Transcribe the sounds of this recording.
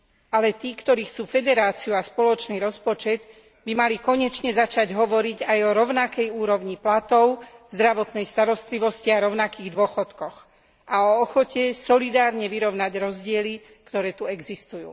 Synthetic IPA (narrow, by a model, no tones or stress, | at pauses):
alɛt̪iːkt̪ɔɾiːxt͡suːfɛd̪ɛɾaːt͡siuaspɔlɔt͡ʃniːɾɔspɔt͡ʃɛd̪ | bimalikɔɲɛt͡ʃɲɛzat͡ʃaɟɦɔʋɔɾiɟajɔɾɔʊnakɛjuːɾɔʊɲiplat̪ɔʊz̥d̪ɾaʋɔt̪nɛjst̪aɾɔst̪liʋɔsciaɾɔʊnakiːɣd̪ʊɔxɔt̪kɔx | ʔaɔːxɔcɛsɔlid̪aːɾɲɛʋiɾɔʊnaɟɾɔzɟɪɛli | kt̪ɔɾɛːt̪uɛɡzist̪ujṵː